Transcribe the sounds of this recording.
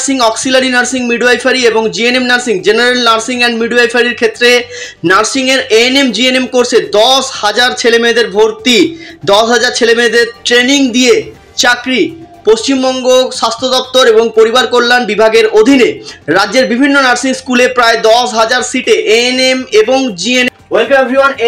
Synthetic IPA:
siŋɔksilaninaɾsiŋmiɖuajfʰaɾieboŋd͡ʑienemnaɾsiŋd͡ʑenaɾelnaɾsiŋɛnmiɖuajfʰaɾiɾkʰet̪ːɾe | naɾsiŋeɾenemd͡ʑienemkoɾsʰed̪ɔshad͡ʑaɾt͡ɕʰelemed̪eɾbʱoɾt̪id̪ɔʃɦad͡ʑaɾt͡ɕʰelemed̪eɾʈɾeniŋd̪ie | t͡ɕakɾipoʃt͡ɕimbɔŋɡoʃast̪ʰod̪ɔp̚t̪oɾeboŋpoɾibaɾkoɾlanbibʱaɡeɾod̪ʱineɾadːd͡ʑeɾbibʱinːonaɾsiŋskulepɾaed̪ɔʃɦad͡ʑaɾsiʈeʔenemeboŋd͡ʑien | welkabʱuan

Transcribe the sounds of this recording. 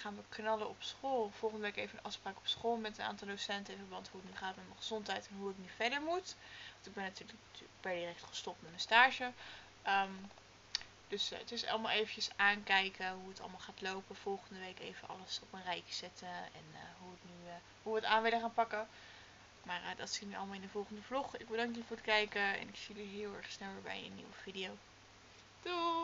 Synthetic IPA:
χaːnʋəknɑləɔpsχolˠv̥ɔlˠχəndəʋejkejvənʔɑfspraːkɔ̥psχoːlˠmɛtəna̰ːntɑlˠdosɛntəɪ̃nvəɹbɑntɦuətnyχaːtmɛtmənχəz̥ɔntɦɛjtɛnɦuɪknyvɛɹdəɹmutʋɑntɪɡbɛnːatyːləkːb̥ɛɹdirɛk̚tχə̥stɔp̚tmɛtmənstaːʒə | ʔm | d̥ɵsətɪsɑ̰lˠma̰ːlˠejvəncəsaːnkɛjkəɦuətɑ̰lˠmalˠχaːtlowpəv̥ɔlˠχəndəʋejkḛjvənʔɑ̰ləsɔpənrɛjkz̥ɛtəɛ̰nəɦuətny | ɦuəta̰ːnʋɪləχaːnpɑkə | maːrədɑtsitnyɑ̰ləmalˠɪndəvɔlˠχəndəvlɔχɪɡ̚bədɑŋkjəvʊːɹətkɛjkəɛ̰nɪksiləɹɦɪːlˠɛ̰ɹχsnɛlˠəːɹbɛ̰jə̰nːḭwəv̥idiow | d̥u

